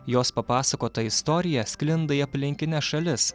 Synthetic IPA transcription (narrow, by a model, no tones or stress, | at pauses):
joːspɐpɑːsɐkoːt̪ɐɪst̪ɔːɾʲɪjɛsʲkʲlʲɪnd̪ɐiɐpʲlʲɪŋʲkʲɪnʲɛsʃɐlʲɪs